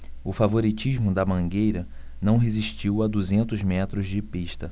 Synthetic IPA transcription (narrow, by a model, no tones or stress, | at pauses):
ʊfavoɾit͡ʃiʒmʊd̪ɐmɐ̃ɡejɾɐnɐ̃w̃ɦeziʃt͡ʃiwɐd̪uzẽnt̪ʊzmɛt̪ɾʊzd͡ʒɪpiʃt̪ɐ